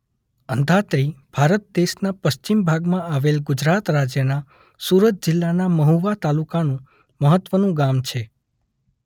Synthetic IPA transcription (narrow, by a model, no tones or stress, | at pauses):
ənd̪ʱat̪ɾib̥ʱaɾət̪̚d̪eʃnapəʃt͡ʃimbʱaɡmãaʋelɡʊd͡ʒɾat̪ɾad͡ʒjəna | suɾət̪̚d͡ʒɪlːanaməɦuʋat̪alukanũ | məɦət̪ːʋənũɡamt͡ʃʰe